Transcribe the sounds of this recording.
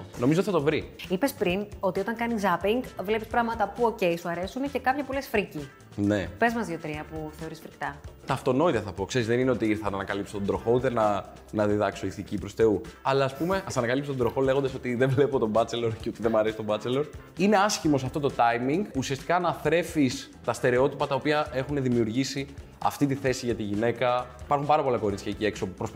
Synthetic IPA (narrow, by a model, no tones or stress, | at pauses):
no̞mizoiθɐt̪o̞vɾiipespɾino̞t̪io̞t̪ɐŋkɐnizɐpiŋɡvle̞pi̥spɾɐɣmɐt̪ɐpuo̞ce̞jsuɐɾe̞sunece̞kɐpçɐpolesfɾici | ne̞pe̞zmɐzðiot̪ɾiɐpuθe̞o̞ɾisfɾikt̪ɐt̪ɐft̪o̞no̞it̪ɐθɐpo̞kse̞ɾizðenine̞o̞t̪iiɾθɐnɐnɐkɐlipsot̪od̪ɾoxo̞ut̪e̞nɐ | nɐðiðɐksoiθicipɾo̞st̪e̞uɐlɐːspume̞ɐsɐnɐkɐlipst̪od̪ɾo̞xo̞le̞ɣond̪ɐso̞t̪iðevle̞pot̪o̞mbɐt͡selo̞ɾceo̞t̪iðemɐɾe̞si̥t̪obɐt͡selo̞ɾ | ine̞ɐscimo̞s̬ɐft̪o̞t̪ot̪ɐjmiŋɡusiɐst̪i̥kɐnɐθɾe̞fis | t̪ɐst̪e̞ɾe̞o̞t̪ipɐt̪ɐopiɐʔe̞xune̞ðimiuɾʝisi | ɐ̰ft̪it̪iθe̞siʝɐt̪iʝine̞kɐipɐɾxumpɐɾɐpo̞lɐko̞ɾit͡sçɐcie̞kso̞pɾos